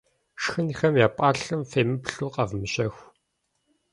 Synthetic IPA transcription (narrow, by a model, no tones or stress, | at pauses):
ʃxɨnixɐmjaːpʼaːɬɨmfeːmɨpɬuːqɐvmɨɕɐxʷ